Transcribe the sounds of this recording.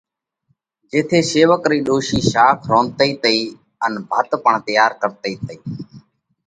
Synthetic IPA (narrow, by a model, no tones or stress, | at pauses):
d͡ʒeːt̪ʰeːseːʋəkɾiːɗoːʃiːʃaːkʰɾoːnt̪əiːt̪əiː | ənbʱət̪pəɳt̪ɪjaːɾkəɾt̪əiːt̪əiː